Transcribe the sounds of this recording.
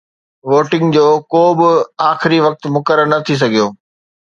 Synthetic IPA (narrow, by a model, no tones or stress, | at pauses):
ʋoːʈɪ̃ŋɡd͡ʑoːkoːbɪaːxɪɾiʋɐk̚t̪mʊkəɾəɾnɐt̪ʰis̬ɐɡʱijoː